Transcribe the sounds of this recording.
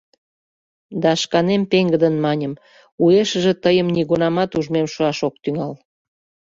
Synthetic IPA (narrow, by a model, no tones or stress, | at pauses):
d̪ɑʃkɑnempeŋɡəd̪ənmɑnʲəm | ueʃə̆ʒĕt̪əjəmniɣunɑmɑt̪uʒmemʃuɑʃok̚t̪yŋɑl